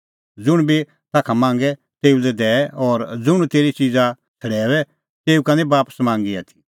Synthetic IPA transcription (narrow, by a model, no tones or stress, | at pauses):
d͡zʊɽ̃bi | t̪aːkʰamãːŋ̆ɡɛ | t̪eːulɛd̪ɛːʔɔːɾd͡zʊɽ̃ut̪eːɾit͡ʃid͡za | t͡sʰɐɽɛːʋɛ | t̪eːukanɛbaːpə̥smãːŋɡiat̪ʰi̥